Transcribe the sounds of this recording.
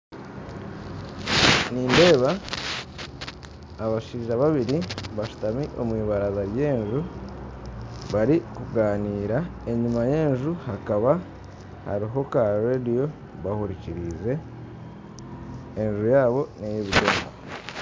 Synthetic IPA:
niːnde̞ːβa | βaʃiːʒaβaβiɾiβaʃu̥tamiʔo̞̰mwiːβaɾazaɾje̞ːnʒu | βaɾikuɡaːniːɾae̞ɲimaje̞ːnʒuhakaβa | ha̰ɾiɦo̞kaɾedio̞ | βahuɾiciɾize̞ | nʒujaːβo̞nejiβiɾoːmo

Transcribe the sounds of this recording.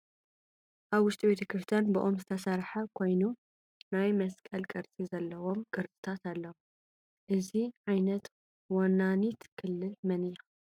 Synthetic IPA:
ʔaβwʊʃt̪ʼibe̞t̪ʰɐkʰɾɨft̪ʰɐnbɨʔomzɨt̪ʰɐsɐɾħɐkʰo̞jnu | najmɐskʼɐlkʼɨɾt͡sʼizɐlːɐwomkʼɨɾt͡sʼɨ̥t̪ʰat̪alːɐwo | ʔɨziʕajnɐt̪ | wanːanit̪kʰɨlːɨlmɐnɨja

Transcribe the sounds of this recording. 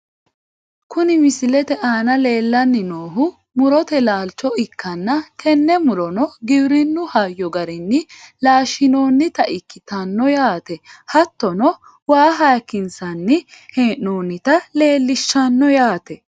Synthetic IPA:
kʊnɪmɪsɪlɛt̪ɛʔaːnɐle̞ːlːɐnːɪnoːɦʊ | mʊɾɔt̪ɛlaːlt͡ʃːɔɪkʰːɐnːɐtʰɛnːɛmʊɾɔnɔɡɪbɾɪnːʊhɐjːɔɡɐɾɪnːɪlaːʃːɪno̞ːnːɪt̪ɐʔɪkːɪt̪ɐnːɔjaːt̪ɛhɐt̪ːɔnɔ | waːɦaːkːɪnsɐnːɪheːʔːoːnːɪt̪ɐle̞ːlːɪʃːɐnːɔjaːt̪ɛ

